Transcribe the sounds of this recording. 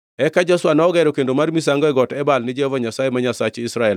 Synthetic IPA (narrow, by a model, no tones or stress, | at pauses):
ɛkad͡ʒaswanaɔɡɛɾokendomarmis̬aŋɡɔɛɡɔtɛbalnɪd͡ʒevaɲasaemaɲasat͡ʃisɾaɛl